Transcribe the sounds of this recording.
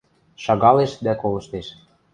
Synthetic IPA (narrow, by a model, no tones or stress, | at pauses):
ʃɑɣɑleʃd̪ækolɤ̆ʃt̪eʃ